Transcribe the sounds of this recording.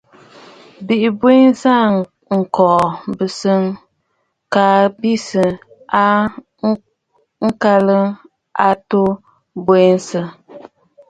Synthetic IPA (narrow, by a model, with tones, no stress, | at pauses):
bi˨ʔi˨be˦n˦sa˦ | ŋ̩˨kɔ˨ʔbɨ˨sɨ˦ŋ | ka˨bi˦sɨ˨ | a˦ | ŋ̩˦ka˦lɨ˦ | a˦to˦ | be˦n˦sɨ˦